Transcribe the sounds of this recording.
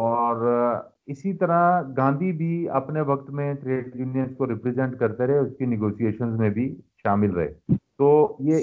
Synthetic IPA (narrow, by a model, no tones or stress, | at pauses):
ɔːɾ | ɪsit̪ɐɾaɡãːnd̪ʱibʱiɐ̰pneʋɐk̚t̪mẽʈɾeːɖɾɪnjə̃nskoɾɪpɾizɛ̃ɳʈkɐɾt̪eɾɛɦeʊskenɪɡoːsieːʃənzmẽbʱiʃaːmɪlɾɐ̰ɦḛːt̪oːjeː